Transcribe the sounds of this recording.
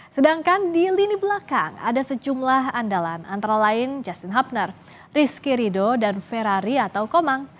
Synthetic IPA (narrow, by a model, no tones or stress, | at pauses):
sədaŋkandilinibəlaka̰ŋa̰dasəd͡ʒumlaɦandalana̰nt̪aɾalaɪnd͡ʒast̪inɦap̚nər | riskiɾidodanfɛɾaɾiat̪awkomaŋ